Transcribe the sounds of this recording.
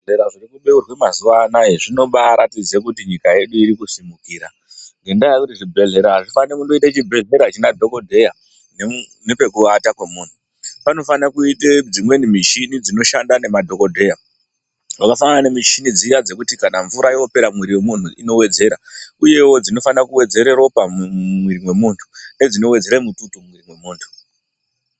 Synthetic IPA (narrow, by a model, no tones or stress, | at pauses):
eɾaʐirikuɓe̞urwemazuʋanaeʐino̞ɓaɾatid͡zekutiɲikaje̞ɗuiɾikusimukiːɾa | ŋɡendajakutiʐibʱe̞ɮe̞ɾaɦaʐifanikundoitat͡ʃibʱe̞ɮe̞ɾaat͡ʃinadʱo̞ko̞dʱe̞ja | ne | nepekuʋatakwe̞muːn̤u | pano̞fanakuited͡zimwe̞nimit͡ʃinid͡zino̞ʃandane̞madʱo̞ko̞dʱe̞ja | wakafananemit͡ʃinid͡zijad͡ze̞kutikanaɱvuɾaiope̞ɾamwiɾiwe̞mun̤ṵʔḭno̞we̞d͡ze̞ɾauje̞wo̞d͡zino̞fanakuwe̞d͡ze̞ɾe̞ropamwiɾimwe̞muːntʰu̥ne̞d͡zino̞we̞d͡ze̞ɾemututumwiɾimwe̞muːntʰu̥